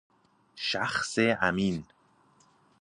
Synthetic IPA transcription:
ʃæxseæmiːn

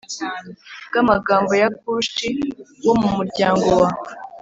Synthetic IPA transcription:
ɡ̥amaɡaːmbo̞jak̚uʃiwo̞mumuɾɟaːŋɡo̞wa

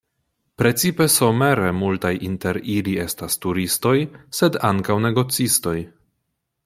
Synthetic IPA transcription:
pɾe̞t͡sipe̞so̞me̞ɾemultajʔinte̞ɾilie̞stastuɾisto̞jse̞daŋkawne̞ɡo̞t͡sisto̞j

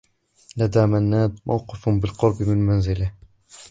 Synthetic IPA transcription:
lad̪aːmanːaːd̪̚ma̰wqɪfbɪlqʊɾˤbmɪnmanzɪla

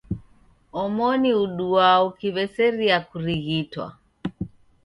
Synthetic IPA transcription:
ɔmɔniuɗuaukiβɛsɛɾiakuɾiɣitwa̰

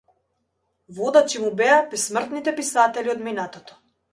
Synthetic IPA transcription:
vɔd̪at͡ʃimubɛapismər̩t̪nit̪ɛpisat̪ɛliɔd̪minat̪ɔt̪ɔ̥

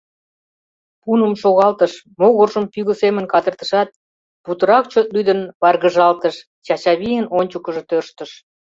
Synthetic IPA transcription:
punəmʃoɣɑlt̪əʃ | moɣorʒəmpyɣəsemənkɑd̪ərt̪ə̥ʃɑt̪̚ | put̪əɾɑkt͡ɕøt̪̚lyd̪ənβɑrɣəʒɑlt̪əʃ | t͡ɕɑt͡ɕɑβijənonʲt͡ɕukəʒɤ̆t̪ørʃt̪ə̆ʃ

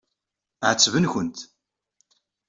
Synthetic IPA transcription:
ʕət͡sːvənçʊnt̪

